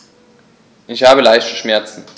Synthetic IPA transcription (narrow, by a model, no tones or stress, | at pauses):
ʔɪçhaːbəlaɪçtə̥ʃmɛɐt͡sn̩